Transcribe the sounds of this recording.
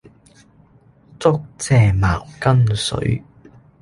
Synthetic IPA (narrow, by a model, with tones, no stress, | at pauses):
t͡sʊ˥k̚t͡sʰɛː˨˩maː˨˩ŋkɐ˥msɵ̰˨˥ɥ